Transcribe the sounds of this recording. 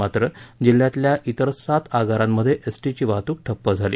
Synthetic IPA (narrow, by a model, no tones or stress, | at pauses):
at̪ɾəd͡ʑil̤ːjat̪ljaʔit̪əɾsat̪ʰaɡaɾamːəd̪ʱːjeʔesʈit͡ɕiːʋat̪uːk̚ʈʰəpːəd͡zʱalḭː